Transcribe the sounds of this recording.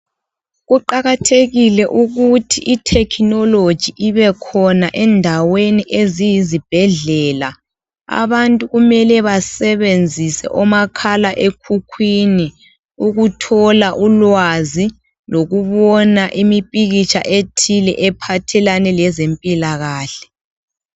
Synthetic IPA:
ɣuǃaɣatʰeɣilɛʔuɣutʰiʔitʰɛkʰnɔlo̥ʒ̥ʱiʔiβɛkʰɔnaʔɛndʱaweniʔezijizib̥ʱɛɮɛːla | a̰βantʼuɣumɛlɛβasɛβend͡zʱisɛ̰ʔɔmakʰalaʔekʰukʰwini | uɣutʰɔlaʔulwazi | loɣuβɔnaʔimipʼiɣit͡ʃʰa̰ʔetʰilɛ̰ʔɛpʰatʰɛlanɛlɛzempʼilaɣaːɬɛ̥

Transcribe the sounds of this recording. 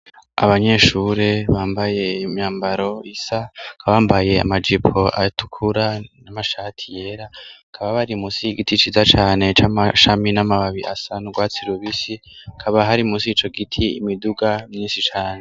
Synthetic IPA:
a̰βaɲe̞ʃuːɾe̞βaːmbaje̞imɲaːmbaɾo̞isakʰaβaːmbaje̞a̰mad͡ʒipʰo̞ʔa̰tʰu̥kʰuɾanamaʃatʰije̞ɾa | kʰaβaβaɾimusiɡitit͡ʃizat͡ʃaːne̞t͡ʃamaʃaminamaβaβiʔasanuɡwaːt͡siɾuβisikʰaβaɦaɾiumusit͡ʃo̞ɡitʰiḭmiduɡamɲiːnsit͡ʃaːne̞

